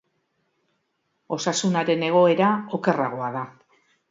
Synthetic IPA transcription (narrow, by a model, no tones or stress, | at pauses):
o̞sasunaɾe̞ne̞ɣ̞o̞e̞ɾao̞ke̞raɣ̞oaða